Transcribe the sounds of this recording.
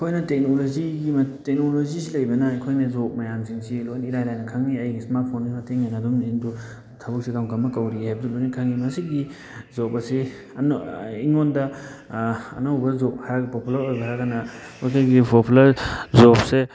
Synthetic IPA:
kʰojnɐtek̚noloziɡimtek̚nolozisilɐjbɐnɐːjkʰojnɐzok̚majamziŋsilojniɾajlajnɐkʰaŋniɐjɡismaɾt̚pʰonɡimɐteŋanadumendu | tʰɐbuk̚sikawŋkamːɐkawɾihajb̚dulonikʰaŋːimɐsiɡi | zobɐsi | niŋondɐ̰ː | nawbɐzɔp̚haɾaɡpopulaɾojbɐɾakanɐkʰojkʰaɡipʰopʰulɐɾzɔp̚se

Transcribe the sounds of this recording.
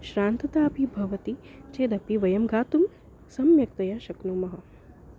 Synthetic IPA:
ʃɾaːnt̪ɐt̪aːpibʱɐʋɐt̪it͡ʃeːd̪ɐpiʋɐjɐmɡaːt̪um | sɐmjɐk̚t̪ɐjɐʃɐknumɐɦɐ

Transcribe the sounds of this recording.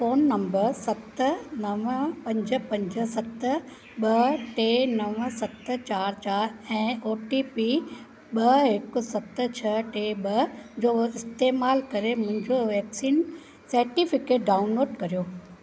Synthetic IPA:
foːnːɐ̃mbəɾsɐt̪nɐʋpɐ̃ɲd͡ʑə̆pɐ̃ɲd͡ʑə̆sɐt̪̆ | ɓɐʈeːnɐʋsɐt̪t͡ɕaːɾt͡ɕaːɾɛ̃ːoːʈipi | ɓɐɦɪkʊ̆sɐt̪̆t͡ɕʰɐʈeːɓɐd͡ʑoːɪst̪eːmaːlkɐɾemʊ̃ɦɪ̃ɲd͡ʑoʋɛːksiːn | sɐɾʈifɪkeːʈ̚ɖaːʊnloːɖkɐɾijoː

